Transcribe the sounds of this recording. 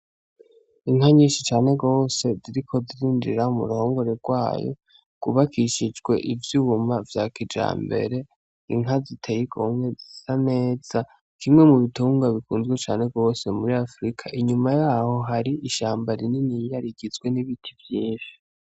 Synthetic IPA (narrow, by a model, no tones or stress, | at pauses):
iŋɦaɲĩːʃit͡ʃaːne̞ɡo̞ːse̞ziɾikʰo̞ziɾiːnd͡ʒḭɾaumṵɾuoːŋɡo̞ɾe̞ɡwaːjo̰ | ɡ̥uβakʰiʃid͡ʒɡwe̞ʔivjuumavjaːkid͡ʒa̰ːmbe̞̰ɾe̞ | iŋɦazitʰejikʰomwe̞zisame̞ːz̥a | kʰimŋe̞muβituːŋɡaβikuːnzɡwet͡ʃaːne̞ɡo̞se̞muɾiafɾikʰaʔiɲumajaːho̞ɦaɾiiʃaːmbaɾininijaɾiɡizɡwe̞niβitʰivjiːʃi̥